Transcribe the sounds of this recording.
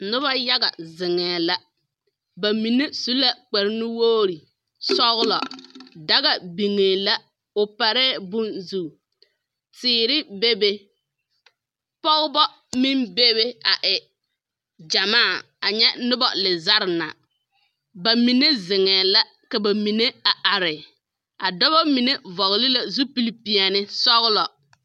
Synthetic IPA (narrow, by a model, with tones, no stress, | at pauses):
nʊ˦ba˦ja˦ɣa̰˨zɪ˨ŋɛː˨la˦ | ba˨mi˨nːe˦su˦la˨k͡pɛ˨ɾɪ˦nɪ˦woː˦ɾi˨ | sɔ˦ɣʊ˦lɔ̰˨da˦ɣa˨bi˨ŋeː˨la˦ | ʊ˨pa˨ɾɛː˦bʊ˦nzu˦˨ | tɪː˦ɾɪ˦be˦be˦ | pɔ˦ɣbɔ˦ | mi˦mbe˦be˦a˨ʔɪ˨ | d͡ʒa˨maː˦˨ | a˨ɲɛ˦nʊ˦bɔ̰˨lɪ˨za˦ɾna̰˨ | ba˨mi˨ne˦zɪ˨ŋɛː˨la˦ | ka˨ba˨mi˨ne˦a˨ʔa˨ɾɪ˨ | a˨dɔ˦bɔ˦mi˨ne˦vɔ˨ɣlɪ˦la˦zu˦pi˦li˦pi˨a˨nɪ˦sɔ˦ɣlɔ˨